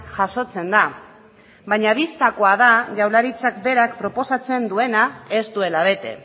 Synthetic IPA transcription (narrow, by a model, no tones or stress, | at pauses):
ʝaso̞t͡se̞nd̪a | βaɲaβ̞ist̪ako̞aðaʝawlaɾit͡sak̚be̞ɾakpɾo̞po̞sat͡se̞nd̪ue̞nae̞st̪ue̞laβ̞e̞t̪e̞̰